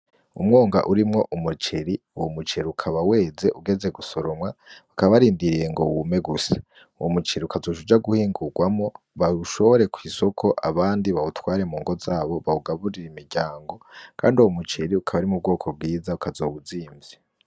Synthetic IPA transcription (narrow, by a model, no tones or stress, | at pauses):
ṵmŋoːŋɡa̰ʔuɾimŋo̞ʔumut͡ʃeɾi | uwomut͡ʃeɾiukʰaβawe̞ːze̞ʔuɡe̞ze̞ɡusoɾomŋaakaβaβaɾiːndiɾije̞ŋɡo̞wumeɡusḁ | uwomut͡ʃiɾiukʰazoʃud͡ʒaɡuhiːŋɡuɡwamo̞ | βaɾuʃo̞βoɾe̞kwiːso̞kʰo̞ʔaβaːndiβautwaːɾe̞muːŋɡo̞zaːβo̞βauɡaβuɾiɾimiɾɟaːŋɡo̞kʰa̰ːnduwomut͡ʃeɾiukʰaβaɾimub̚ɡo̞ːkʰo̞b̚ɡiːzaukazo̞ːβuziːmvi